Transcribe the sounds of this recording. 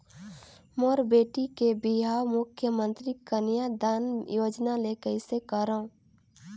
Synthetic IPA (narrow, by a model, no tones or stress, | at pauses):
moɾbeːʈikebiɦawmʊkʰjəmə̃nt̪ɾikənjad̪anjoːd͡ʒnalekəɪsekəɾəũ